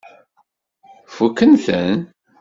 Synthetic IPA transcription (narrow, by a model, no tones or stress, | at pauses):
fukːənθən